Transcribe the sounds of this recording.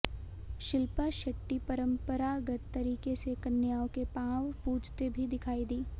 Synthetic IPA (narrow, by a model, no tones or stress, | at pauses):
ʃɪlpaʃɐʈːipɐɾə̃mpəɾaɡɐt̪t̪ːɐɾiːkesekɐnjaːõkepãːʋpuːd͡ʒt̪ebʱid̪ɪkʰaːid̪iː